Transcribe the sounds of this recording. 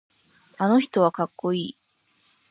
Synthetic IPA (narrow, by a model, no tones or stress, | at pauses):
ano̞çi̥t̪o̞β̞akakːo̞iː